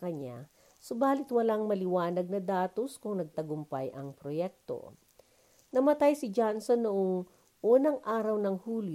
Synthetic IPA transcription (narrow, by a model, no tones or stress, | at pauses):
kɐɲa̰ | sobaːlɪt̪wɐlaŋmɐlɪwaːnɐɡ̚nɐd̪aːt̪o̞skʊŋnɐɡ̚t̪ɐɡʊmpa̰jʔɐŋpɾojɛk̚t̪o̰ | nɐmɐt̪ajsɪd͡ʒansonːʊʔoŋ | ʔuːnɐŋʔaːɾɐwnɐŋhuːl